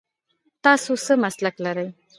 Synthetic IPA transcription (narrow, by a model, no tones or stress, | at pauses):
t̪aːsusəmɐsləklɐɾəj